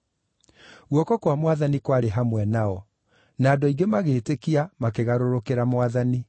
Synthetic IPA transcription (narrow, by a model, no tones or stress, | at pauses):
ɣwɔkɔkwamwaðanikwaɾeɦamwɛnaɔ | naːdɔiɡemaɣeːtekiamakeɣaɾoɾokeɾamwaðani